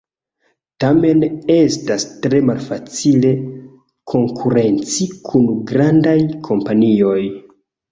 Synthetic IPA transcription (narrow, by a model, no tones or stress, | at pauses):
tame̞ne̞stastɾe̞malfat͡sile̞ | kʰo̞ŋkʰuɾe̞nt͡sikʰunɡɾandajkʰo̞mpanio̞j